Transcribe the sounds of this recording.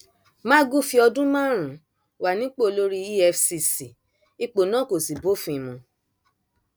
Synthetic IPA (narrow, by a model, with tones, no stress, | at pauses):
mã˦ɡu˦fi˧ɔ˧dũ˦mã˦˨ɾ̃ũ˨ | wa˨nĩ˨˦k͡po˦o˧lo˦ɾi˧i˦ɛ˧fsi˧si˨ | i˦k͡po˨nãː˦ko˨si˨bo˨˦fũ˧i˨mũ˨˧